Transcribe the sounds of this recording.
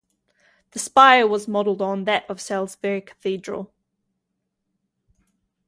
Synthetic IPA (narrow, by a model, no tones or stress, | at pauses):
ðəspaɪəwɒzmɒdl̩ˠdn̩ðəʔəv̥sɛlˠzvɛɹɪkʰə̥θiːdɹə̰lˠ